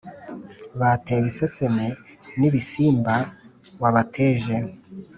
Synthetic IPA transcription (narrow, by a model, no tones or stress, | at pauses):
βateːwisesemeniβisiːmbawaβatʰeːʒe